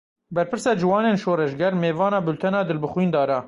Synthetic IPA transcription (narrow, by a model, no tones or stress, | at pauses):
bɛɾpɨɾsɑːd͡ʒɨwɑːneːnʃoːɾɛʃɡɛɾmeːvɑːnɑːbɨlt̪ʰɛnɑːd̪ɨlbɨxwiːnd̪ɑːɾɑ